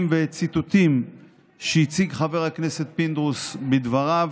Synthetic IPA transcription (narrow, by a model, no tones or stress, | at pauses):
mvet͡sit̪ut̪im | ʃeit͡siɡχave̞ʁhakne̞se̞t̪̚pind̪ʁusbed̪vaʁav